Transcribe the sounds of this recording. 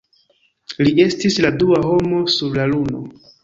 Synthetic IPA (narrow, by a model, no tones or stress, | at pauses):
lie̞stisladuaho̞mo̞suɾlaluno̞̰